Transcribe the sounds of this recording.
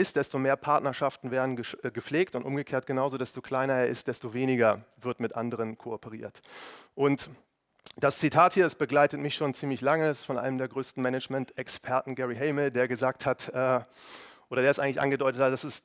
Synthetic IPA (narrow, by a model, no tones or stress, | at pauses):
ɪst̚d̥ɛstomeːɐpʰaɐtnɐʃaftn̩veːɐdn̩ɡəʃɡəp͡ffleːk̚tʊntʔʊ̰mɡəkʰeːɐt̚ɡ̥ənaʊzodɛstokʰl̥aɪnɐeːɐʔɪst̚d̥ɛstoveːnɪɡɐvɪɐtmɪtʔandəʁ̞ənkʰoɔpəʁ̞ḭːɐtʔʊnt | d̥ast͡sitʰaːthiːɐɛsb̥əɡlaɪtətmɪçʃoːnt͡siːmlɪçlaŋəɛssfɔnʔa̰ɪəmdeːɐɡʁøːstn̩mɛnət͡ʃmɛntɛkspʰɛɐtn̩ɡɛʁiɦɛɪməl̩deːɐɡəzaːk̚thatɛː | ʔoːɾɐdeːɐɛstʔaɪŋ̩lɪçʔa̰nɡədɔʏtəthat̚d̥asɪst